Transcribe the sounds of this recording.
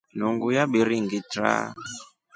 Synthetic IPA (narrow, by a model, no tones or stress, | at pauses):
n̤uŋɡujaɓiɾiŋɡitɾa̰